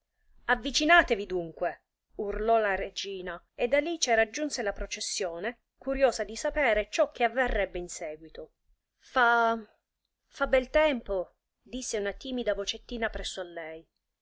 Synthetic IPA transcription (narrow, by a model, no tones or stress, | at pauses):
avːit͡ʃinaːt̪evid̪uŋkwe | urlɔlaɾed͡ʒiːna | ed̪ːalit͡ʃeɾad͡ʒːunselapɾot͡ʃesːjoːne | kuɾjoːzad̪isapɛːɾet͡ʃɔk̟ːeavːerːɛbːeinsɛːɡwit̪o | fa | fabːɛlt̪ɛmpo | d̪isːeunat̪iːmid̪avot͡ʃet̪ːiːnapɾɛsːoalːɛj